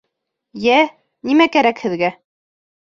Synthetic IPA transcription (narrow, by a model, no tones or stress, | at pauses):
jæ | nimækæɾækhɘ̆ðɡæ